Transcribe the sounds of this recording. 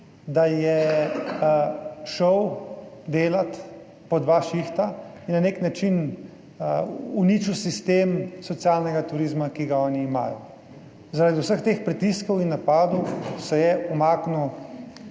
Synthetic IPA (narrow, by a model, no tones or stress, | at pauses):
d̪ajɛ | ʃəwd̪eːlat̪ | pɔd̪ʋaʃixt̪ainːaneknat͡ʃin | unit͡ʃusist̪eːmsɔt̪siaːlnɛɡat̪uɾizmakiɡaɔːniːma̰ːjɔ | zaɾaːd̪iwsəxt̪eːxpɾit̪iskɔwinːapaːd̪ɔwsɛjɛumaːknu